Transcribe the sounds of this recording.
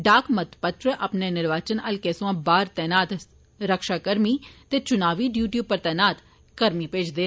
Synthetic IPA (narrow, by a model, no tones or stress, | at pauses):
ɖaːkmɐt̪pət̪ɾəʔɐpnenɪɾʋaːt͡ʃənɐlkeːsoãːbaːɾt̪ɛːnaːt̪ | ɾəkʃaːkəɾmiːt̪eːt͡ʃʊnaːʋiɖjuːʈjuːb̚pəɾt̪ɛːnaːt̪ | kəɾmipeːd͡ʒd̪eː